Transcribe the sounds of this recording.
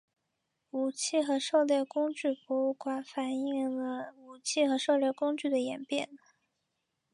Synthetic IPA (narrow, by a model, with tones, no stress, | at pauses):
u˨˩t͡ɕʰi˥˩xɤ˧˥ʂo˥˧ʊljɛ˥˩ʊkʊ˥ŋt͡ɕy˥˩pwɔ˧˥u˥˩kwa˧˥nfa˨˩ni˥ŋlə˧˦u˨˩t͡ɕʰi˥˩xɤ˧˥ʂo˥˧ʊljɛ˥˩ʊkʊ˥ŋt͡ɕy˥˩d̪ə˩jɛ˨˩npjɛ˥˩n